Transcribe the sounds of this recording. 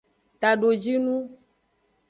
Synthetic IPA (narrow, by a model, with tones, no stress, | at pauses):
t̪a˨ɖo˨d͡ʒi˦nũ˦